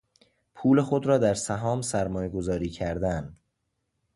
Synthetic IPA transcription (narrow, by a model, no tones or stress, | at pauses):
pʰuːle̞xod̪ɾɒːd̪æɾsæɦɒːmsæɾmɒːjeɡo̞zɒːɾiːcʰæɾd̪æn